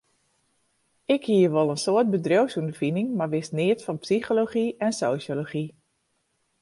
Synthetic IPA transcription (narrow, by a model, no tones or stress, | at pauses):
ɪkhiːəʋolˠənsoət̚bədrowsundəfinɪŋmaɹʋɪsnɪətfɑnpsixoloχiɛnsoːsjoloχi